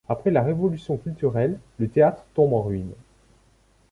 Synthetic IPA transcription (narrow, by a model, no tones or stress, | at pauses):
apχɛlaʁevɔlysjɔ̃kʲylt̪yʁɛlːət̪eat̪χt̪ɔ̃bɑ̃ʁɥin